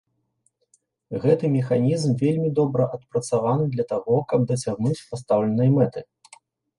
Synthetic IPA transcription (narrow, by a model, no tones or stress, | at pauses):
ɣɛt̪ɨmʲɛxanʲizmvʲelʲmʲid̪ɔbɾɐʔɐt̪̚pɾɐt̪savanɨd̪lʲɐt̪aɣɔkɐb̚d̪ɐt͡sʲaɣnut͡sʲpast̪awlʲɛnɐjɐmɛt̪ɨ